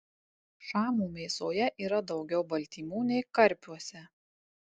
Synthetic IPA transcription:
ʃɑːmuːmʲeːsoːjɛʔiːɾɐd̪ɒʊɡʲɛʊbɐlʲt̪ʲiːmuːnʲɛɪkɐɾʲpʲuɔsʲɛ

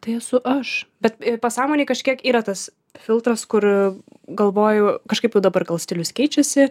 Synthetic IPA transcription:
t̪ɐɪɛsʊʔɐʃbʲɛt̪pɐsɑːmoːnʲeɪkɐʃʲkʲiɛkiːɾɐt̪ɐs | fʲɪlˠt̪ɾɐskʊrɡɐlˠʋoːjʊkɐʃkɐɪpjɛʊd̪ɐbɐrɡɐlˠsʲt̪ʲɪlʲʊskʲɛɪt͡ʃʲɛsʲɪ

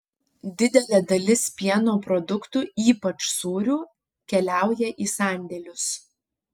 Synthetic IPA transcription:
d̪ʲɪd̪ʲɛlʲɛːd̪ɐlʲɪspʲiɛnoːpɾɔd̪ʊkt̪uːiːpɐt͡ʃsuːɾʲuː | kʲɛlʲæˑʊjɛʔiːsɑˑnʲd̪ʲɛlʲʊs

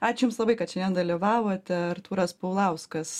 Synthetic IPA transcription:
ɑːt͡ʃʲʊjʊmslˠɐbɐɪkɐt̪ʃʲɛnʲɛːnd̪ɐlʲiʋɑːʋoːt̪ʲɛɐrt̪uːɾɐspɐʊlˠɐʊskɐs

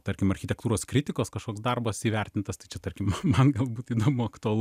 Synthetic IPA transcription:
t̪ɐɾʲkʲɪmɐrʲxʲɪt̪ʲɛkt̪uːɾoːskɾʲɪt̪ʲɪkoːskɐʃkoːksd̪ɐrbɐsiːʋʲɛɾʲt̪ʲɪnt̪ɐst̪ɐɪt͡ʃʲɛt̪ɐrʲkʲɪmmɐnɡɐlˠbuːt̪iːd̪oːmʊɐkt̪ʊɐlˠ

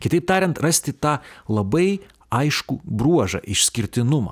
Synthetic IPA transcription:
kʲɪt̪ɐɪp̚t̪ɑːɾʲɛnt̪ɾɐsʲt̪ʲɪt̪ɑːlˠɐbɐɪ | ɐɪʃkubɾuɔʒɐ̰ʔɪʃʲsʲkʲɪɾʲt̪ʲɪnʊmɑ̰ː

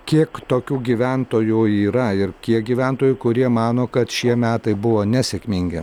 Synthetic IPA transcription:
kʲiɛkt̪oːkʲuːɡʲiʋʲæˑnt̪oːjuːiːɾɐɪɾkʲiɛk̚ɡʲiːʋʲænt̪oːjʊkʊɾʲiɛmɑːnoːkɐt̪ʃʲiɛmʲæːt̪ɐɪbʊʋoːnʲɛsʲɛkʲmʲɪŋʲɡʲɪ

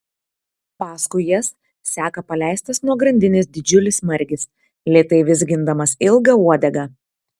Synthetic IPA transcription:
pɑːskʊɪjɛs | sʲæːkɐpɐlʲæˑɪsʲt̪ɐsnuɔɡɾɐnʲd̪ʲɪnʲɪs̬d̪ʲɪd͡ʒʲʊlʲɪsmɐɾʲɡʲɪs | lʲiɛt̪ɐɪʋʲɪz̬ɡʲɪnd̪ɐmɐsɪlˠɡɐuɔd̪ʲɛɡɐ

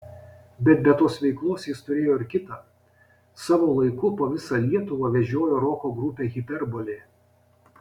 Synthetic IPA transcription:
bʲɛt̪̚bʲɛt̪oːsʋʲɛɪklˠoːsjɪst̪ʊɾʲeːjoːɪɾkʲɪt̪ɑː | sɑːʋoːlˠɐɪkʊpoːʋʲɪsɑlʲiɛt̪ʊʋɑʋʲɛʒʲoːjoːɾoːkoːɡɾʊpʲeːɣʲɪpʲɛɾboːlʲeː

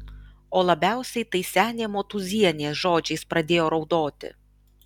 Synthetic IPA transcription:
oːlˠɐbʲæˑʊsʲɛɪt̪ɐɪsʲæːnʲeːmoːt̪ʊzʲiɛnʲeːsʒoːd͡ʒʲɛɪspɾɐd̪ʲeːjoːɾɒʊd̪oːt̪ʲɪ̰

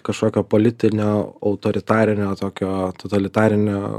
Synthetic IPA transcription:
kɐʃkoːkʲoːpoːlʲɪt̪ʲɪnʲoːɐʊt̪oːɾʲɪt̪ɑːɾʲɪnʲoːt̪oːkʲoːt̪ot̪ɐlʲɪt̪ɑːɾʲɪnʲo̰ː

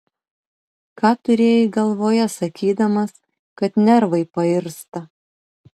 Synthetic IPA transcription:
kɑːt̪ʊɾʲeːjɪɡɐlˠʋoːjɛsɐkʲiːd̪ɐmɐs | kɐt̪nʲɛɾʋɐɪpɐɪɾst̪ɐ

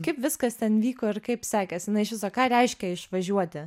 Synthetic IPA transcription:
kɐɪpʋʲɪskɐst̪ʲɛnʋʲiːkoːɪɾkɐɪpsʲɑːkʲɛsjɪnɐɪʃʋʲɪsɐkɑːɾʲɛɪʃʲkʲɛɪʃʋɐʒʲuɔt̪ʲɪ

